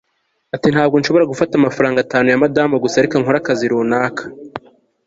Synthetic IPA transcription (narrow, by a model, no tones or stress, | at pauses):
atin̥haːbɡo̞nʃo̞βo̞ɾaɡufatamafaɾaːŋɡataːnujamadaːmaɡusaɾikaŋhoɾakaziɾuːnaːkʰḁ